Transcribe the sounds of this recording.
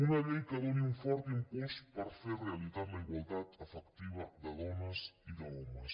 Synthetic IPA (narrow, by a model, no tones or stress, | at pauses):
unɐʎejkəðoniuɱfɔɾt̪əimpuspəɾferrealizaɾləiɣwalˠt̪at̪əfəkt̪iβɐðəðɔnəsiðəɔməs